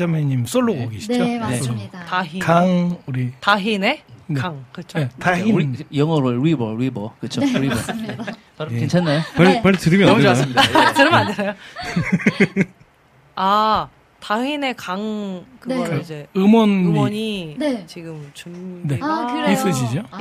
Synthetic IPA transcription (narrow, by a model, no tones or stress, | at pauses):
d͡ʑameɲims͈oɭːoɡoɡeɕʰid͡ʑo | taɦikaŋuɾitaɦinenaŋkɯt͡ɕʰoetaɦijʌŋʌɾoɾibʌwibʌkɯt͡ɕʰoi | ent͡ɕʰanːajoapaɭtɯɾimjʌneas͈ɯmidtɯɾɯmandeajo | a | taɦine̞kaŋkɯɡʌɾid͡ʑe̞ɯmʌnɯmwʌɲit͡ɕiɡɯmt͡ɕumneis͈ɯɕ̬ʰid͡ʑo